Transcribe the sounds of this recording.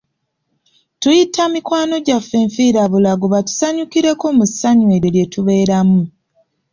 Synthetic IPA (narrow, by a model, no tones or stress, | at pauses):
tujitʰamikwaːno̞ɟafːe̞ːɱfiːɾaβulaɡuβatu̥saɲukiɾeko̞ːmusaɲwe̞ɾelje̞tuβe̞ːɾamu